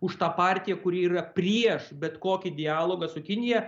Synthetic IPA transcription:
ʊʃt̪ɑːpɑːɾʲt̪ʲɪjɛkʊɾʲiiːrɐpʲɾʲiɛʃbʲɛt̪koːkʲid̪ʲɪɑːlˠoːɡɐsʊkʲɪnʲɪjɛ

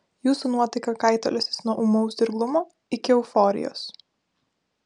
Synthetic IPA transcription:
juːsuːnuɔt̪ɐɪkɐkɑɪt̪o̰lʲɛsʲɪsnuɔʔumɔʊsd̪ʲɪɾɡlˠʊmoː | ɪkʲɪɛʊfɔːɾʲɪ̰jo̰ːs

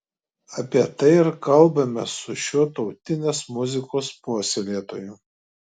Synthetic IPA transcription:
ɐpʲiɛt̪ɐɪɪɾkɐlˠˑbɐmʲɛsʊʃʲuːt̪ɒʊt̪ʲɪnʲeːsmʊzʲɪkoːspoːsʲelʲeːt̪oːjʊ

